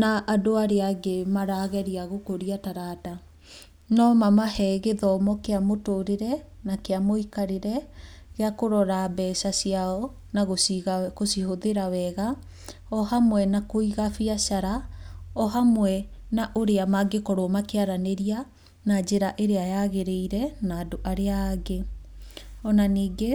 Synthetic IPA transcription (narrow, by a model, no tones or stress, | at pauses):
naʔadoaɾeaɡemaɾaɣɛɾiaɣokoɾiataɾata | nɔmamahɛɣeðɔmɔkeamotoɾeɾɛnakeamoikaɾeɾɛɣeakoɾɔɾabɛsasiaɔ | naɣosiɣkosihoðeɾawɛɣa | ɔhamwɛnakoiɣafiasaɾaɔɦamwɛnaʔoɾeamaɡekɔɾoɔmakeaɾaneɾia | nad͡ʒeɾaʔeɾeajaɣeɾeiɾɛnaːdoʔaɾeaɡe | ɔnaniːɡe